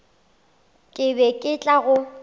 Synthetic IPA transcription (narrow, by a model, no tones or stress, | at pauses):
kʼɪbɛkʼɪt͡ɬʼaɣʊ